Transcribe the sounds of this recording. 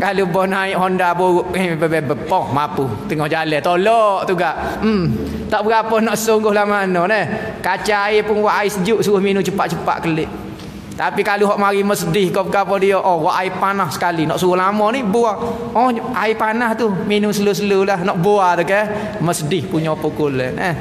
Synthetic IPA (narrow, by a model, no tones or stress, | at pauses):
kalubɔhnaiʔɦɔndabouʔibɛbɛbəpɔhmapu | t̪əŋɔhd͡ʒalɛt̪olɔʔt̪uɡaʔ̩ | t̪aʔbəɡapɔnɔʔsuŋɡʊhlahmanɔnəhkat͡ʃaaipʊnwaʔaisəd͡ʒuʔsuʊhminut͡ʃəpaʔt͡ʃəpa̰ʔkəlɪʔ | t̪apikaluɦɔʔmaɾiməsədɪhkɔbəɡapɔdiɔʔɔwaʔaipanahsə̥kalinɔʔsuɣʊhlamɔnibuaɔaipanaht̪uminʊsəlusəlulahnɔʔbuat̪ukɛ | məsədɪhpuɲɔpukulɛnɛh